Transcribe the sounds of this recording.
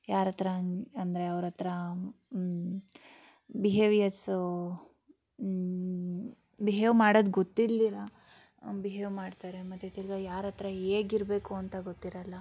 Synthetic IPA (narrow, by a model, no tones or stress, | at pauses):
jaːɾɐt̪ɾɐɐnd̪ɐɾe̞ɐʋɾɐt̪ɾɐ | biɦeːʋijɐs | biɦeːʋmaːɽod̪ɡot̪ːilːiɾɐ | biɦeːʋmaːɖt̪aːɾemɐt̪ːet̪ilɡɐjaːɾɐt̪ɾɐeːɡiɾbe̞ːkuɐnt̪ɐɡot̪ːiɾɐlːɐ